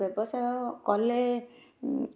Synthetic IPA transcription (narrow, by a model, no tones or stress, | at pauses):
ɔbɔsajɔkɔle